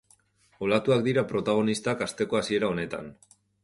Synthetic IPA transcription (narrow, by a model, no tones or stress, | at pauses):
olat̪uakd̪iɾapɾo̞t̪aɣ̞o̞nist̪akast̪e̞ko̞asie̞ɾao̞ne̞t̪a̰n